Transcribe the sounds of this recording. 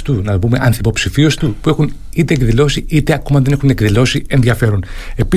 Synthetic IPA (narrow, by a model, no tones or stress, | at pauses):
t̪unɐvume̞ʔɐnθipo̞psifio̞st̪upue̞xun | it̪e̞ːkðilo̞siit̪eɐko̞mɐðe̞ne̞xune̞kðilo̞sie̞nðiɐfe̞ɾone̞pi